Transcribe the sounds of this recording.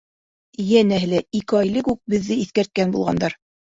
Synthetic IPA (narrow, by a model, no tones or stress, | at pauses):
jænæɦɘlæikɘɑjlɘkʉk̚bɘ̆ðːɘiθkæɾt̪̚kænbṵlˠʁɑ̰nd̪ɑɾ